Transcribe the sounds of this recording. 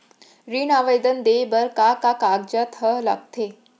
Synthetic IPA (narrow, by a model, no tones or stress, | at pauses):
ɾiːnaʋəjd̪ənd̪ebəɾkakakaɡd͡ʑət̪ʰɦəɦla̰ɡ̚t̪ʰe